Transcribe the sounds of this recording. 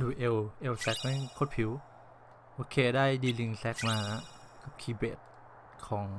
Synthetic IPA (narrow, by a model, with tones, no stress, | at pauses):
duː˧˩ʔe˧wʔe˧wsɛ˦˥k̚na˥˩jkʰo˧˥˩t̪̚pʰi˩˦w | ʔoː˧kʰeː˧daː˥˩jdiː˧li˧ŋsɛ˦˥k̚maː˧ | ka˨˩p̚kʰiː˧˩beː˨˩t̪̚ | kʰɔː˩˦ŋ